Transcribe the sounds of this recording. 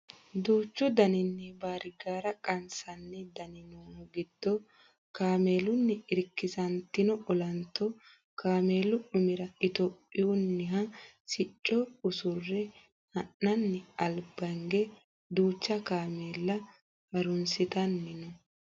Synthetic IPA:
d̪uːt͡ʃːʊd̪ɐnɪnːɛbaːɾɪɡaːɾɐkʼɐnsɐnːɛd̪ɐnɪnoːɡɪd̪̥ːɔ | kaːmeːlʊnːɪɪɾkːɪsɐnt̪ɪnɔʔɔlɐnt̪ːɔ | kaːme̞ːlːʊʔʊmɪɾɐɪt̪opʼːɪjʊnːɪɦɐ | sɪt͡ʃʼːɔʊsʊrːɛ | hɐnːɐnːɪɐlbɐŋɡɛ | d̪uːt͡ʃːɐkaːmeːlːɐ | bɐɾʊnsɪt̪ɐnːɪnɔ

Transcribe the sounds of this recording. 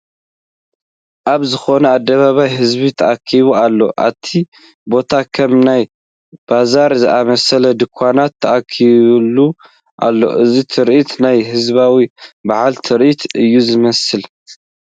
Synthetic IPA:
ʔaβzɨxo̞nɐad̪ːɐβaβajɦɨzbit̪ʰɐʔakʰːiβualːo̞̰ʔa̰t̪ʰːi | bo̞t̪ʰakʰɐmnaj | b̥azaɾzɨʔamɐsɐlɐd̪ɨkʷʰːanat̪ʰːɐʔakʰːiβlːu | ʔa̰lːo̞̰ʔɨzit̪ʰɨɾʔit̪najɦɨzβawibaʕalt̪ʰɨɾʔit̪ʰɨjːuzɨmɐsɨl

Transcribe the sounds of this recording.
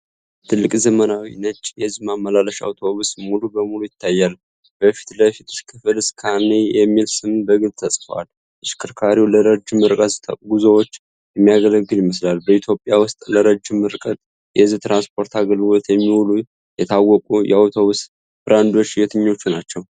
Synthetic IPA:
t̪ʰɨlːɨkʼzəmənawinət͡ʃʼjɛɨzimamːəlaləʃa̰wt̪ʰo̞βusmulubəmulujɪt̪ʰːajːal | b̥əfi̥t̪ləfit̪skʰɨfɨlɨskʰanːejɛmːilsɨmbəɡɨlt̪ʰəsʼfəwa̰l | ɨʃkʰɨɾkʰaɾiwləɾəd͡ʒɨmːɨɾkʼəɡuzəwo̞t͡ʃː | jɛmːijaɡələɡːɨljɪmːɨslalbəit̪ʰjo̞pʼjawʊst̪ʼləɾəd͡ʒɨmːɨɾkʼət̪ʼ | jɛɨzt̪ɾanspʰo̞ɾt̪ʰaɡəlwot̪jɛmːiwulu | jɛt̪ʰawːɔkʼujɛ̰awt̪ʰo̞βus | bɨɾand̪o̞t͡ʃːjɛt̪ʰɨɲːo̞t͡ʃːunat͡ʃːɛw

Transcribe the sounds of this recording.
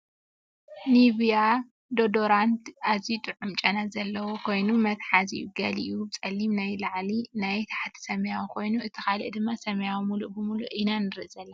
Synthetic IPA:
niβija | d̪od̪oɾant̪azit̪ʼɨʕumt͡ʃʼɐnazɐlːɐwokʰo̞jnumɐt̪ħazḭɡɐliʔjubɨt͡sʼɐlːimnajlaʕlinajt̪ʰḁħat̪ʰi̥sɐmjawkʰo̞jnuʔɨt̪ʰikalɨ̰ʔd̪ɨmːasɐmjawɨmulubɨmuluʔinanɨɾɨʔzɐlːɐ

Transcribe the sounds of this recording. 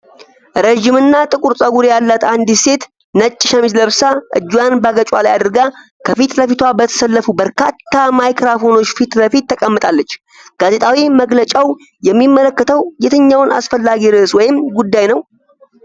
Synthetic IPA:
ɾəʒɪmɨnːat̪ʼɨkʼuɾsʼəɡuɾjalːat̪and̪ise̞t̪ | nət͡ʃʼːɪʃəmizləβsaʔɨ̰d͡ʒːujanbaɡət͡ʃʼwa̰lajad̪ɨɾɡa | kʰəfit̪ləfit̪ʰwabət̪ʰə̥səlːəfubəɾkʰat̪ːamajkɾafo̞no̞t͡ʃːfit̪ləfit̪ːəkʼəmːɨt̪ʼalːət͡ʃː | ɡ̥aze̞t̪ʼawiməɡlət͡ʃʼaw | jɛmːimːələkːət̪ʰəwjɛt̪ʰəɲːawnʔa̰sfəlːaɡiɾɨswɔjɪmɡud̪ːajnəw

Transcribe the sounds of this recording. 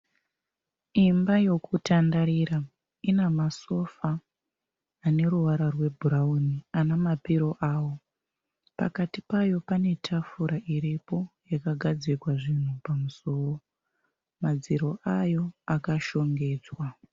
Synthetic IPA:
imbajo̞kutandaɾiːɾa | inamaso̞faː | ne̞ɾuʋaɾarwe̞bʱuɾaunianamapiɾo̞ʔaːwo̞ | pa̰katipajo̞pane̞tʰafuɾaʔiɾipo̞jakaɡʱad͡zikwaʐin̤upamuso̞ːo | mad͡ziɾo̞ʔajo̞akaʃo̞ŋɡe̞ːd͡zwa

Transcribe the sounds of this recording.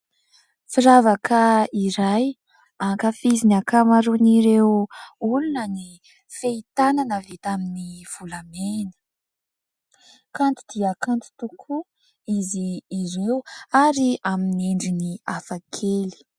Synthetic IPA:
fiɾavakʰəiɾaj | aŋkəfizinakamaɾuniɾewulunəni | feit̪ananəvet̪aminiv̥ulamenə̥ | kant̪id̪iəkant̪i̥t̪ukʰu | iziːɾewaɾiaminieɳɖ͡ʐiniafakʰeli̥

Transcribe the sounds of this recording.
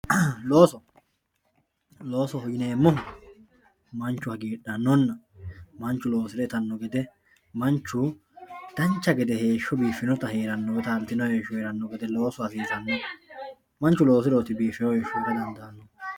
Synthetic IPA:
lo̞ːsɔ | lo̞ːsɔhʊjɪneːmːɔ | mɐnt͡ʃːʊhɐɡiːᶑɐnːɔnːɐmɐnt͡ʃːʊlo̞ːsɪɾɛt̪ɐnːɔɡɛd̪ɛ | mɐnt͡ʃːʊ | d̪̥ɐnt͡ʃːɐɡɛd̪ɛhe̞ːʃːɔbiːfːɪnɔt̪ɐheːɾɐnːɔwɛt̪aːnt̪ːɪnɔheːʃːʊheːɾɐnːɔɡɛd̪ɛlo̞ːsɔɐs̬iːsɐnːɔ | mɐnt͡ʃːʊlo̞ːs̬ɪɾɔːt̪ːɪbiːfːɪnɔheːʃːɔt̪ɐd̪ɐnd̪ɐːnːɔ

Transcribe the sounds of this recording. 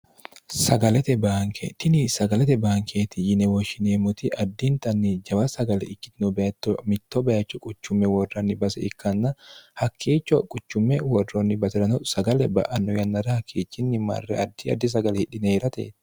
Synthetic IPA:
sɐɡɐlɛt̪ɛbaːŋkʰḛt̪ɪnɪsɐɡɐlɛt̪ɛbaːŋkʰeːt̪ɪjɪnɛwɔʃɪneːmʊt̪ɪʔɐd̪ːint̪ɐnːid͡ʒɐbɐsɐɡɐlɛ̰ɪkːɪt̪nʊbɐt̪ːɔmɪt̪ːɔbɐɐt͡ʃːɔkʼʊt͡ʃːʊmːɛwɔrːɐnːɪbɐsɛ̰ɪkːɐnːɐhɐkʰːiːt͡ʃːɔkʼʊt͡ʃːʊmːɛwɔrːonːɪbɐsɛɾɐnɔsɐɡɐlɛbɐ̰ʔɐnːɔjɐnːɐɾɐhɐkʰːiːt͡ʃːɪnːɪmɐ̰rːɛ̰ɐd̪ːɪɐ̰d̪ːɪs̬ɐɡɐlɛhɪᶑɪneːɾɐt̪ḛːt̪ɪ̥

